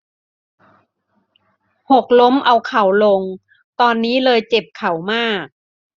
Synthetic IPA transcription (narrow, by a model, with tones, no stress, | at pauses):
ho˨˩k̚lo˦˥mʔa˧wkʰa˩˦wlo˧ŋ | t̪ɔː˧nːiː˦˥lɤː˧jt͡ɕe˨˩p̚kʰa˨˩˦wmaː˥˩k̚